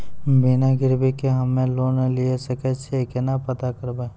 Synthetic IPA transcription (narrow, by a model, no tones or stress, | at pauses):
binaɡɪɾbikeɦəmẽloːnliesəkɛt͡ʃʰekenapət̪akəɾba